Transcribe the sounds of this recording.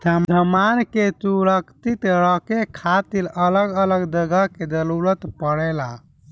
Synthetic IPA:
d̪ʱəmd̪ʱəmankesuɾəkt̪it̪ɾɔkekʰat̪ilələɡələɡd̪əɡəked͡ʒ̪əluɾət̪pəɽɛla

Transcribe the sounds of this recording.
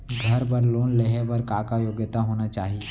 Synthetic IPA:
ɡʱɐɾpɐɾloːnleɦepɐɾkaːkajoːɡjət̪aɦoːnat͡ʃaːɦie

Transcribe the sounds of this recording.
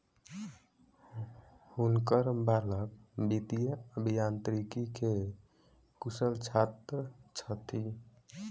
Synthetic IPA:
hunkəɾbaləkbit̪ijəəbʱijant̪ɾikike | kusəlt͡ʃʰat̪ɾət͡ʃʰət̪ʰi

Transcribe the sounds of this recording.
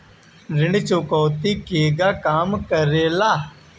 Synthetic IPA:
ɾɪɳt͡ʃoːkoːt̪iːkeːɡaːkaːmkəɾeːlaː

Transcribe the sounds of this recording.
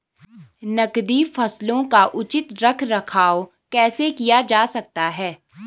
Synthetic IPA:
nɐkd̪ifɐslõkaʔʊt͡ʃɪt̪ɾɐkʰɾɐkʰaːo | kɛːsekijad͡ʒaːsɐk̚t̪aɦɛː

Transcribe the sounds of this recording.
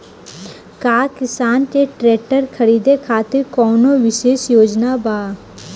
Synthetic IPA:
kaːkɪsaːnkeʈɾeːʈəɾkʰɐɾiːd̪ekʰaːt̪ɪɾkɔːnoʋɪʃeːʃjoːd͡ʒnabaː

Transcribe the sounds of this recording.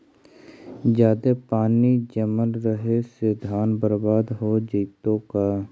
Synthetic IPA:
d͡ʒjaːd̪epaːnid͡ʒəmənɾəɦesed̪ʱaːnbəɾbaːd̪ɦod͡ʒiːt̪õkaː

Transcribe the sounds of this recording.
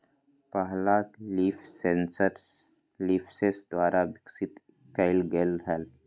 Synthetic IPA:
pəɦlaliːfʰsensəɾ | liːpʰsesd̪waːɾʔaʋɪksɪt̪ | kaɪlɡelɦɛl

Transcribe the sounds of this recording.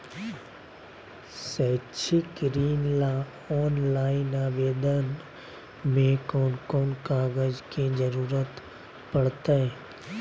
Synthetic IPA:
sɛːt͡ʃʰɪkɾiːnla | ɔːnlaːinaːʋeːd̪ən | mẽkɔːnkoːnkaːɡəd͡ʒked͡ʒəɾuːɾət̪ | pɐɽt̪aɦẽː

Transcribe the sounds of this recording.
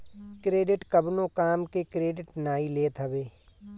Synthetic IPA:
kɾeːɖɪʈkɐbnõkaːmkekɾeːɖɪʈnaːileːt̪ʰɐbeː

